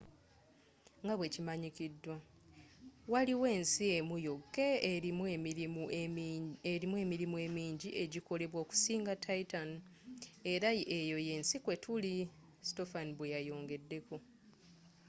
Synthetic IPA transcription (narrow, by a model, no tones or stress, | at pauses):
ŋɡaβwe̞cimaɲicidːwa | waliwe̞ːnsiemujo̞kːe̞mu | eɾimwe̞ːmiɾimue̞miːɲɟiʔe̞ɟiko̞le̞βwo̞ːku̥siːŋɡatʰaitan | e̞ɾaʔejo̞je̞ːnsikwe̞tʰuli | si̥to̞faniβwejajo̞ːŋɡe̞dːe̞ku